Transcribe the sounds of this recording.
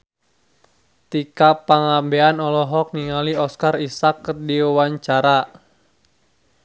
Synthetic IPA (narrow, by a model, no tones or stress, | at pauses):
t̪ikapaŋambeanɔlɔɦɔk̚niŋaliɔskarisakːərdiwaɲt͡ʃaɾa